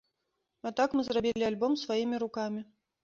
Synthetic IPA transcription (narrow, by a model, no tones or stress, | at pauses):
at̪akmɨzrabʲilʲialʲbɔmsvajimʲiɾukamʲi